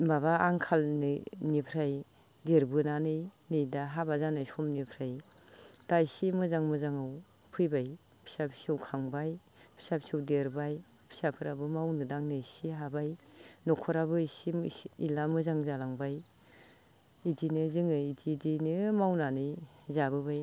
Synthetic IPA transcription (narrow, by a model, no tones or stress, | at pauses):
baβaːŋkʰalnɯnipʰɾaj | deɾbɯnanɯjnɯjdaɦabazanajsɔmnipʰɾaj | d̥ajsimɯzaŋmɯzaŋɯw | pʰɯjbaj | pʰi̥sapʰi̥siawkʰaŋbaj | pʰi̥sapʰsiɯwdeɾbaj | pʰi̥sapʰɯɾabɯmawnɯdaŋnɯjsiɦabajnɔkʰɔɾabɯisiilamɯzaŋzalaŋbaj | idinɯzɯŋɯididinɯmawnanɯjzabɯbaj